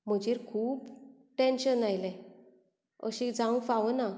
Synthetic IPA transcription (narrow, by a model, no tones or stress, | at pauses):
m̤əd͡ʑiɾkʰuːp | ʈẽnɕənajlɛ̃ | ə̰ɕid͡zãũfaʋəna